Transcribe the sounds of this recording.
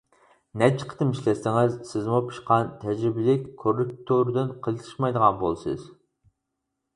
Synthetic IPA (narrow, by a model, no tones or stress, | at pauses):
nɛt͡ʃʰi̥qʰə̥t̪ʰɨmiʃlɛsɪŋɪzsɪzmupʰu̥ʃqʰɑnt̪ʰɛd͡ʒɾɪbɪlɪkʲkʰːorːɪk̚t̪ʰoɾd̪ɪnqʰəlˠt̪ʰɨ̥ʃmɑjd̪əʁɑnbo̰lˠɨsɨ̰z̥